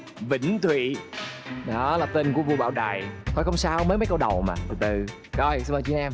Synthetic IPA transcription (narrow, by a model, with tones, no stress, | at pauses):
vḭ̈˧˥˨ŋ̟t̪ʰwḭ˧˨ | ɗɔ˨˦laː˨˩t̪e˧nku˧˩əvu˧ɓa̰ː˧˩wɗaː˨˩jt̪ʰo˧˩jxə˧wŋ͡msaː˧wmə˨˦jmə˨˦jkə˧wɗə˨˩wma̰ː˨˩t̪ʰɨ˨˩t̪ɨ˨˩ | kɔ˧jsɨ˧ŋʔəː˨˩t͡ɕi˧˦nʔɛ˧m